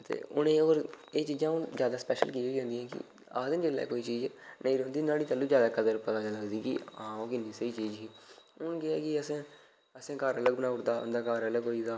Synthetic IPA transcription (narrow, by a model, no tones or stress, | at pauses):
t̪ḛːʊnẽːoːɾeːt͡ʃiːzãːʊnzjaːd̪aːspɛːʃə̰lkiːɦoːĩnd̪ĩjɦɛ̃ːkɪ̰ | a̰ːd̪ɪnd͡ʒɪlːɛ̰ːkoːiːt͡ʃiːd͡ʒnəĩːɾɛɦʊ̃nd̪iːnaːɽiːt͡ʃəlːũːd͡ʒjaːd̪aːkəd̪əɾpət̪aːd͡ʒələɡd̪iːkɪ̰ãːoːkɪniːsəiːt͡ʃiːd͡ʒɦiːʊnkɪaːkɪəsẽː | əsẽːkəɾələɡ̚bənaːʊʈd̪aːʊ̰nd̪aːkəɾələɡɦoːiːd̪aː